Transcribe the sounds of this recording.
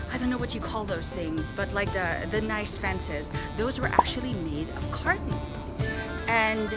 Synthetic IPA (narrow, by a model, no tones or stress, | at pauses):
aɪɾõnːoʊwʌt͡ʃɨkʰɔlˠðoʊz̥θɪ̃ŋzb̥ʌtˡlaɪk̚ðɨðɨnaɪsfɛ̃nsɪzðoʊzwə˞ʔæ̰k̚t͡ʃʉl̩ˠimeɪɾʌ̰v̥kʰɑɹʔn̩z̥ | ɨ̃n